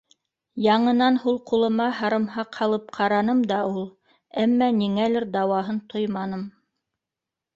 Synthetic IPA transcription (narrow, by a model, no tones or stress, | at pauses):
jɑɴɤ̆nɑnhulˠqulˠɤ̆mɑɦɑɾɤ̆mhɑqhɑlˠɤp̚qʰɑɾɑnɤmd̪ɑulˠ | æmːæniŋælɘɾd̪ɑwɑɦɤnt̪ʰojmɑnɤm